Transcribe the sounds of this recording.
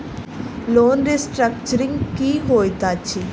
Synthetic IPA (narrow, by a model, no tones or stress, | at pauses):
loːnɾisʈɾɐk̚t͡ʃɐɾiŋɡkiɦoːjt̪aːt͡ʃʰːi